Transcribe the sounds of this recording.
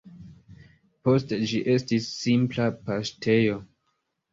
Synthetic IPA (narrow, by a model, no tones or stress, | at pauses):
po̞sted͡ʒiʔe̞stisːimplapastʰe̞jo̞